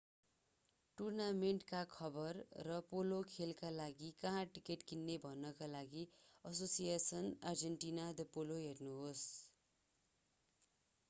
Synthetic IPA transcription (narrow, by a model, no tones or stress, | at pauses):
ʈurnameɳʈkakʰʌbʌrːʌpolokʰelkalaɡikʌɦãʈikeʈkinːebʱʌnːʌkalaɡiʌsosijesʌnard͡zeɳʈinad̪ʌpoloɦernuɦos